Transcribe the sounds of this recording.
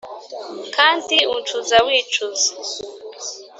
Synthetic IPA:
kʰaːndiunt͡ʃuzawiːt͡ʃuzḁ

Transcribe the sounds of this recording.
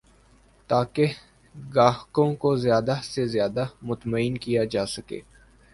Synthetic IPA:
t̪aːke | ɡaːɦkõkozjaːd̪asezjaːd̪amʊt̪maɪːnkijad͡ʒaːsɐkḛː

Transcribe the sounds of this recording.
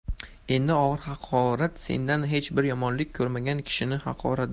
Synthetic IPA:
e̞nd̪ɪɒʁɨɾhɑqʰɒɾat̪se̞̰nd̪anɦe̞t͡ʃbɪɾjɒmɒnlɪk̚ʲʰːɵɾmaɡʲankʲʰɪ̥ʃɪnɪhɑ̰qʰɒ̰ɾat̪

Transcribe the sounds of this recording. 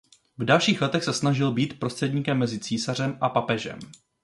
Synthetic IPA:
vdalʃiːxlɛt̪ɛxsɛsnaʒɪlbiːt̪pɾo̞st̪r̥ɛdɲiːkɛmːɛzɪt͡siːsar̝ɛmʔapapɛʒɛ̰m

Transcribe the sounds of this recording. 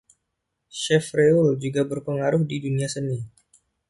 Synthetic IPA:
ʃɛfreuld͡ʒuɡabərpəŋaɾʊhdiduniasəni

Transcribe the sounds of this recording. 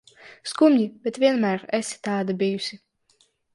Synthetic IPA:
skumʲnʲibʲɛt̪vʲiɛnmæɾɛsʲi̥t̪aːd̪abʲijusʲi

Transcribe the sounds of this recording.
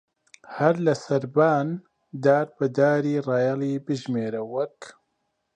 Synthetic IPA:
hɐɾlɐsɐɾbaːn | d̪aːɾbɨd̪aːɾiːrɑːjɑliːbɨʒmeːɾɐwɐk

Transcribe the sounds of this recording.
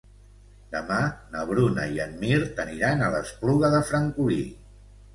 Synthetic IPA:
d̪əmanəβ̞ɾunəiənmiɾt̪əniɾanələspluɣəðəfɾəŋkui

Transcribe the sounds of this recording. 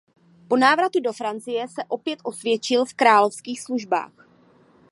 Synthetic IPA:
po̞naːvɾat̪udo̞fɾant͡sɪjɛsɛʔo̞pjɛt̪ʔo̞svjɛt͡ʃɪlfkɾaːlo̞fskiːxsluʒba̰ːx

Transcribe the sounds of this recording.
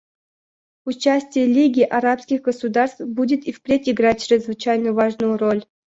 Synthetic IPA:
ut͡ɕasʲtʲɪjəlʲiɡʲiʔaɾapskʲixɡəsud̪arst̪budʲɪt̪ifpʲɾʲetʲiɡrat̚ʲt͡ɕɾʲɪzvɨt͡ɕajnəvaʐnujʊrolʲ

